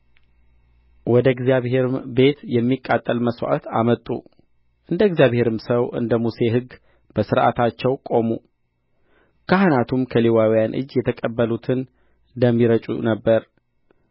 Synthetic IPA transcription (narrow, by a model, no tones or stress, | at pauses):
wɔd̪əɪɡzjaβhe̞ɾɨmbe̞t̪jɛmːikʼːat̪ʼːəlməswʔa̰t̪a̰mət̪ʼːṵ | ʔɨnd̪əɡzjaβhe̞ɾɨmsəwʔɨ̰nd̪əmuse̞ɦɨɡː | bəsɨɾʔa̰t̪ʰat͡ʃːɛwkʼo̞mu | kʰahɨnat̪ʰumkʰəlewawijanʔɨ̰d͡ʒːjɛt̪ʰəkʼəbːəlut̪ʰɨn | d̪əmːiɾət͡ʃʼṵnəbːəɾ